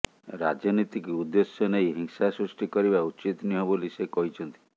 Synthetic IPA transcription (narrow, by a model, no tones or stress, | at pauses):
ɾad͡ʒɔnit̪ikud̪ːesjɔnejɦiŋsasɾusʈikɔɾiβaut͡ʃit̪niɦɔbolisekɔɦit͡ʃʰɔnt̪i̥